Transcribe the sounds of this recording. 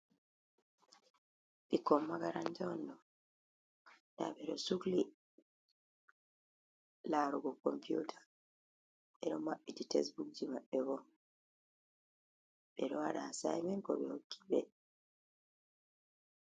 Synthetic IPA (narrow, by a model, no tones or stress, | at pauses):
βikːommːaɡaɾantoːndo | da̰βeɾosukli | laɾoɡokːo̰mpjuːtʰḁ | eɾomaititesbukd͡ʒimaeβo | eɾoaɾasa̰imeŋko̰βehokːi̥βḛ